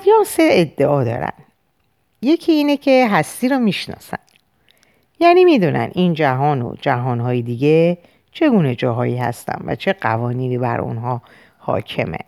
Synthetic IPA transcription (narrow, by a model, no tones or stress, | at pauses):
jɒːse̞ed̪ːe̞ɒːd̪ɒ̰ːɾæ̰n | je̞cʰiiːnecʰe̞ɦæst̪iːɾɒːmiʃnɒ̰ːsæn | jæːniːmiːd̪uːnæ̰nʔiːnd͡ʒæɦɒːno̰d͡ʒæɦɒːnɦɒːjed̪iɟe | t͡ʃʰe̞ɡuːne̞d͡ʒɒːɦɒːiːhæ̰st̪æ̰nvæ̰t͡ʃʰe̞ɢævɒːniːniːbæɾo̰nɦɒː | hɒ̰ːcʰe̞̰mḛ